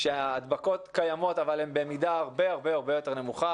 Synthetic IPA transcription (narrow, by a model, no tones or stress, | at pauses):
ʃeaːd̪bako̞t̪kajamo̞t̪avalembemid̪aaʁbeaʁbe̞jaʁbe̞jo̞t̪e̞ʁne̞muχa